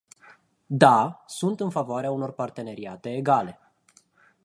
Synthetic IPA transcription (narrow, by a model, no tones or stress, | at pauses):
d̪asunt̪ɨnfavoaɾeauno̞rpart̪e̞ne̞ɾiat̪e̞ːɡale̞